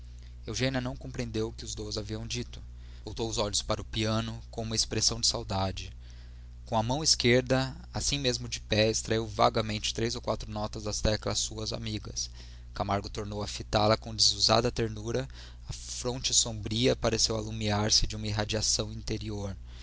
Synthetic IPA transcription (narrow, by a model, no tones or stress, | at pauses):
ewʒẽniɐnɐ̃w̃kõpɾeẽnd̪ewʊkɪʊzd̪ozaviɐ̃w̃d͡ʒit̪ʊ̥ | owt̪owʊzɔʎʊspaɾɐʊpiɐ̃nʊkõũmɐespɾesɐ̃w̃d͡ʒɪsawd̪ad͡ʒɪ | kõw̃ɐmɐ̃w̃iskeɾd̪ɐ | asĩmezmʊd͡ʒɪpɛɪst̪ɾaiwva̰ɡɐmẽnt͡ʃɪ̥t̪ɾejzowkwat̪ɾʊnɔt̪ɐzd̪ɐst̪ɛklɐsuɐza̰miɡɐs | kamaɾɡʊt̪oɾnowɐfit̪alɐkõd͡ʒɪzuza̰d̪ɐt̪eɾnuɾɐ | ɐfɾõnt͡ʃɪsõbɾiɐpaɾesewalumiaɾsɪd͡ʒɪũmɐiɦad͡ʒiasɐ̃w̃ĩnt̪eɾioɾ